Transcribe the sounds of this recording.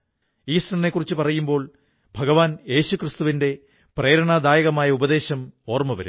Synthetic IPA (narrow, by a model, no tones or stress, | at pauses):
iːsɾɐnɐne̞kːurit͡ɕːupɐrɐjumbo̞ːɭ | bʱɐɡɐʋaːnje̞ːɕukrɨst̪uʋinde̞ | pre̞ːɾɐɳaːd̪aːjɐɣɐmaːjɐubɐd̪e̞ːɕɐmo̞ːrmɐʋɐ̰ɾṵm